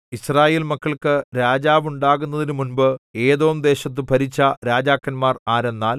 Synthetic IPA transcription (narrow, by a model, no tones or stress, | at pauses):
iɕraːje̞ːlmɐkːɐɭkɨɾaːd͡ʑaːʋuɳɖaːɣunːɐðinumunbɨe̞ːðo̞ːmd̪e̞ːɕɐt̪̬ːɨpɐɾit͡ɕːɐɾaːd͡ʑaːkːɐnmaːraːɾenːaːl